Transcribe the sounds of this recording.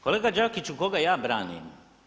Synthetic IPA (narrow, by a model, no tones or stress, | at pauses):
koleːɡad͡ʒakit͡ʃukoɡajaːbɾa̰ːnḭːm